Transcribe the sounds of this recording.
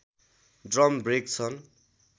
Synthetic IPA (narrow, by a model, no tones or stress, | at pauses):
ɖrʌmbrek̚t͡sʰʌn